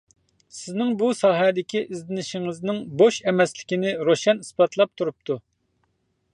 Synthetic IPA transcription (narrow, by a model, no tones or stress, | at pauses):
sɪznɪŋbusɑːɦɛd̪ɪkʲiʔizlɪnɪʃiŋɪznɪŋboʃɛmɛslɪkʲinɪɾoʃɛnispɑt̪ʰlˠɑp̚t̪ʰuɾup̚t̪ʰu